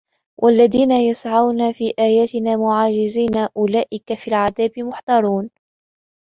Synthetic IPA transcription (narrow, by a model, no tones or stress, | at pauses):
wʔalːaðiːnajasʕawnafiːʔaːjaːt̪ɪnaːmʊʕaːd͡ʒɪziːnaʔʊlaːʔɪkafiːlʕaðaːbɪmʊħt̪ɑɾˤuːn